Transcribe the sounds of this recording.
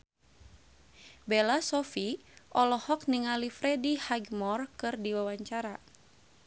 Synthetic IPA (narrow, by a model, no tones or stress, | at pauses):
bɛlasɔfi | ʔɔlɔhɔk̚niŋalifɾɛdihaɡmɔrkɨrdiwawaɲt͡ʃaɾa